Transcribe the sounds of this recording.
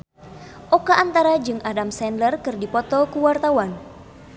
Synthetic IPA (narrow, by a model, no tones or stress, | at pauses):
ʔokaʔant̪aɾad͡ʒɨŋadamsɛnlərkɨrdipɔt̪ɔkuwart̪awan